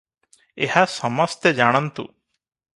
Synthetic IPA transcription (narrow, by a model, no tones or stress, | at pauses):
ehasɔmɔst̪ed͡ʒaɽ̃ant̪ṵ